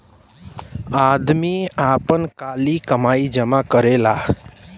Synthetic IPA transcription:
ad̪miapənkaːlikəmaːid͡ʒəmakəɾela

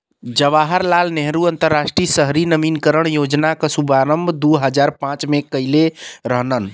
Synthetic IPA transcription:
d͡ʒəʋaɦəɾlalneɦɾuənt̪əɾːasʈɾisəɦɾinəminkəɾəɳ̃jod͡ʒnakəsubaɾəmbd̪uɦəd͡ʒaɾpãt͡ʃmekəjleɾəɦnən

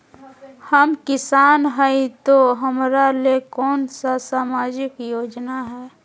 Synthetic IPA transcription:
həmkɪsaːnɦəit̪oɦəmɾalekɔːnsasaːmaːd͡ʒɪkjoːd͡ʒnaɦɛː

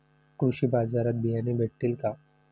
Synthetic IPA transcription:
kɾuʃibaːzaːɾət̪̚bijanibeʈːilka

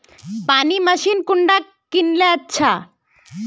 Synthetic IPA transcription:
panimaʃinkuɳɖa | kːinleatːɕʰa

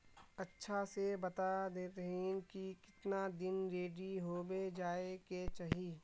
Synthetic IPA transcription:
ɐtːʃʰasebɐt̪ad̪eːt̪ɐɦĩkikɪt̪nad̪ɪnɾeːɖiɦoːbed͡ʒaːeket͡ʃaːɦiː

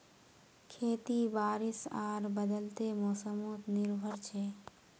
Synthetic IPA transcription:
kʰeːt̪ibaːɾisaːɾbəd̪əlt̪emɔːsəmot̪niɾbʱəɾt͡ʃʰe

